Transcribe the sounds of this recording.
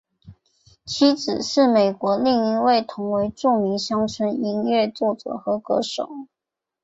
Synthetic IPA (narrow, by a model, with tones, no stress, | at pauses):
t͡ɕʰi˥t͡sɹ̩˨˩ʂɻ̩˥˩me˨˩ɪkwɔ˧˥li˥˩ŋi˧˥we˥˩ɪt̪ʰʊ˧˥ŋwe˧˥ɪʈ͡ʂu˥˩mi˧˥ŋɕjɑ˥ŋt͡sʰə˥ni˧˥ŋɥɛ˥˧t͡swɔ˥˩t͡sɤ̰˨˩˦xɤ˧˥kɤ̰˧˥ʂo̰˨˩˦ʊ